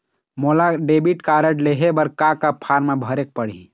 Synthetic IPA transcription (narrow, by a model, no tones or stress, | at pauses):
moːlaɖeːbiʈkaɾəʈleɦebəɾkakapʰaɾmebʱəɾek̚pəɽ̤ḭ